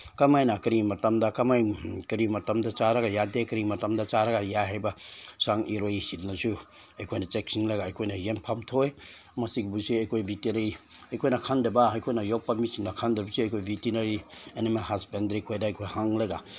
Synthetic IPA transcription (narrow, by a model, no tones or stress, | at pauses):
kamajnakɐɾimɐtamdakamajkɾimɐtamdat͡ʃaɾaɡajadekɾimɐtamdat͡ʃaɾaɡajaɦajbasaŋiɾojsiɾnazu | ɐjkʰojnat͡ʃek̚siŋlajɡaːjkʰojnajempʰamtʰoemɐsiɡbusiɐjkʰojviteɾeiɐjkʰojnakʰandebaajkʰojnajok̚pamisinnakʰandeɾbusiɐjkʰojvitinaɾienimalɦasbendɾejkʰojdaːjkʰojhaŋlajɡa